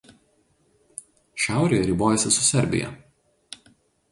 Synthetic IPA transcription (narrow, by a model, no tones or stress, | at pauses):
ʃʲæˑʊɾʲeːjɛɾʲiboːjɛsʲɪsʊsʲɛɾʲbʲɪ̰jɛ̰